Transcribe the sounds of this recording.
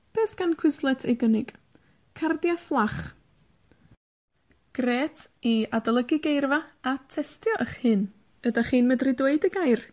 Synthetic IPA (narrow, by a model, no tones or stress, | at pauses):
b̥eːsɡ̥ankʰw̥ɪslˠɛtʰɛɡənɪɡ̥ | kʰardjaflˠaχ | ɡ̥reːtʰiadalˠəɡɪɡejrvaatʰɛstʰjɔʔəχhɨn | ədaχiːnmədrɪdweɨdəɡajr